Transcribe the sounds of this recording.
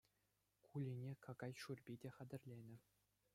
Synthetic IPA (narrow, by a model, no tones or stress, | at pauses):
kʰulʲinʲekɑɡɑjʂurʲbʲidʲeχæd̪ʲɘ̆rʲlʲenʲɘ̆